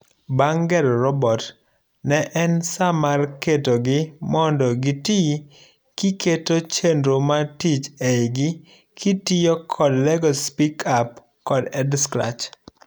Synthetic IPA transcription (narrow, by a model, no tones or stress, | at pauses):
baŋɡɛɾɾɔbɔt | nɛʔɛnsamarketoɡɪmɔndɔɡiti | kiketot͡ʃendɾomatit͡ʃeɡɪ | kʰitijɔkʰɔdlɛɡɔspikʰap | kɔdɛdskɾa̰t͡ʃ